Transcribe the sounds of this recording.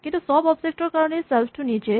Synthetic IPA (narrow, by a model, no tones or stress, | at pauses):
kĩnt̪usɔbɔpd͡ʑek̚ʈɔɾkaɾnesɛlfʈʰunit͡ʃe